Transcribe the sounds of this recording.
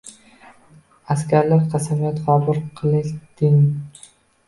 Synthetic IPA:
askʲʰaɾlaɾqʰɑsamijat̪qɒbʊɾqʰɨlˠɪʃd̪̥ɪŋ

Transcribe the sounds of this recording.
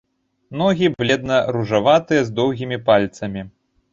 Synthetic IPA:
nɔɣʲiblʲɛd̪nɐɾuʐavat̪ɨjɛzd̪ɔwɣʲimʲipalʲt̪sɐmʲi

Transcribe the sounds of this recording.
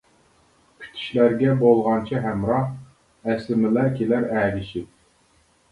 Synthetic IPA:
pʲʰy̥t̪ʰi̥ʃlæɾɡʲɛbolˠʁɑnt͡ʃʰiɦɛmɾɑh | ɛslɪmɪlækʲʰelæɾæːɡʲiʃit̪̚

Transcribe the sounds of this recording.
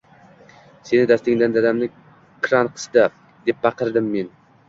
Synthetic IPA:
senɪd̪æst̪ɪŋd̪and̪ad̪amnɪ | kʰɾɑnqʰə̥sd̪a | d̪ep̚bɑqəɾd̪ɪmːen

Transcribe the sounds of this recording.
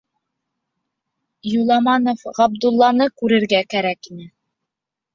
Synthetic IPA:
julˠɑmɑnofʁɑbd̪ulˠːɑnɤkʉɾɘ̆ɾɡækæɾækinɘ

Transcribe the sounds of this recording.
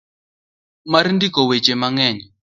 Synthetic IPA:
maɾindikɔwɛt͡ʃɛmaŋɛːɲɛ

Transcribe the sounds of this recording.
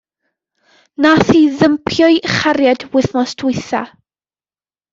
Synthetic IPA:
naθiðəmpʰjɔɨχaɾjadwɪθnɔsdʰʊɨθa̰

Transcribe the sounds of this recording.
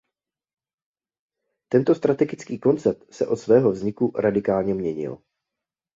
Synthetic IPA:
t̪ɛnt̪o̞st̪ɾat̪ɛɡɪt͡skiːko̞nt͡sɛɾ̚t̪sɛʔo̞t̪svɛːɦo̞vzɲɪkuɾadɪkaːlɲɛmɲɛɲɪ̰l

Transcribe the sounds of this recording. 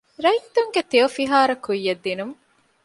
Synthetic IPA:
ɾɐit̪ːuŋɡet̪eofiɦaːɾɐkujːɐd̪ːinum

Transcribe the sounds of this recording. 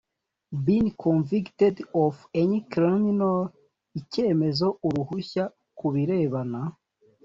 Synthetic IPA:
binkʰõnviktedovenikɾiminol | ice̞ːme̞zo̞uɾuhuça | kuβiɾe̞ːβana

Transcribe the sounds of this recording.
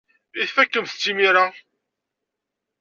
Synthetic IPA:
iθfækːəmθə̥t͡sːimiɾa

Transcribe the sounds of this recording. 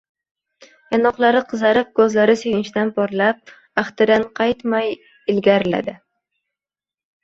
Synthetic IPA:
janɒqlˠaɾɪqʰɨzaɾɪp̚kʰɵzlaɾɪsenɪʃd̪anpʰɒɾlap̚ | aχt̪ɪd̪anqʰɑjt̪maj | ɪlɡʲaɾɪla̰d̪ɪ

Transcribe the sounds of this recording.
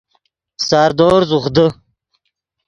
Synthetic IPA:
sɑːɾd̪oːɾzuχd̪ə

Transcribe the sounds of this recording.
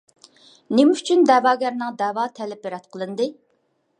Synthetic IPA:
nemɪyt͡ʃʰynd̪ɛːwɑːɡʲɛɾnɨŋd̪ɛːwɑt̪ʰɛlɛp̚beɾɛt̪̚qʰəlˠɨnd̪ɨ

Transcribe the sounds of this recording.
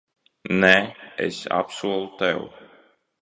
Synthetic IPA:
nɛḛsa̰psuɔlˠut̪ɛw

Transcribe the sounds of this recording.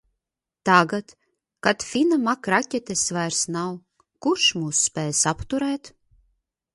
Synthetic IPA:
t̪aɡat̪ | kat̪fʲinamakɾacʲɛt̪ʲesvajɾsnaw | kuɾʃmuːsːpʲɛːjsapt̪uɾɛːt̪

